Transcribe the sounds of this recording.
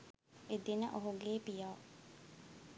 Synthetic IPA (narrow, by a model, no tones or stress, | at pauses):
ed̪inə̰ʔoɦuɡeːpijaː